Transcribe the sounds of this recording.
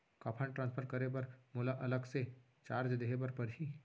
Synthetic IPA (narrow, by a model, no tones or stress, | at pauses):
kaːpʰəɳʈɾãːnspʰəɾkɐɾebɐɾmʊlaʔɐləɡse | t͡ʃaːɾd͡ʒd̪eɦebɐɾpɐɾɦiː